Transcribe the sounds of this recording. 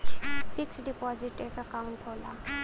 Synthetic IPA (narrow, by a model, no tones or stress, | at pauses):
pʰiksdipɔziʈekakawnpʰɔwla